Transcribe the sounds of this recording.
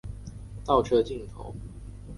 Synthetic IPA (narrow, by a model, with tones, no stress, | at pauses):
t̪ɑ˥˩ʊʈ͡ʂʰɤ˥˧t͡ɕi˥˨˩ŋt̪ʰo̰˨˦ʊ